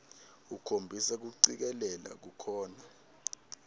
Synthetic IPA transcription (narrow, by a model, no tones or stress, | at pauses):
ukʰombʱisɛk̬uǀik̬ɛlɛla̰k̬ukʰɔːna